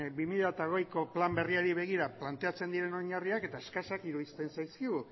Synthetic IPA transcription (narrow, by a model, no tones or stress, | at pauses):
bimiʎat̪aɣ̞ojko̞plambe̞riaɾiβ̞e̞ɣ̞iɾaplant̪e̞at͡se̞nd̪iɾe̞no̞ɲariake̞t̪aeskasakiɾuðist̪e̞nsajskiɣu